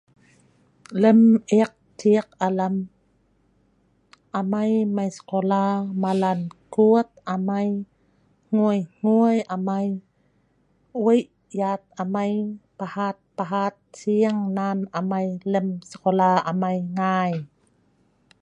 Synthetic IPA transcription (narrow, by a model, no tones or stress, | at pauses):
ləmʔɛk̚tiək̚alam | ʔamajmajskolamalankuət̪̚ʔamaj | ŋ̥uəjŋ̥uəjʔamaj | wəjʔ | jat̪̚amajpahat̪̚paɦat̪̚siəŋnanʔamajləmskolaʔamajŋaːj